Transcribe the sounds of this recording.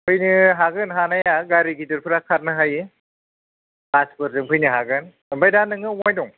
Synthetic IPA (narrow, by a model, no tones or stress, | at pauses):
ɯjnɯɦaɡɯnɦanajaɡaɾiɡidɯɾpʰɯɾakʰaɾnɯɦajɯ | paspɔɾdɯŋpʰɯjnɯɦaɡɯn | mbajdanɯŋɯwajdɔŋ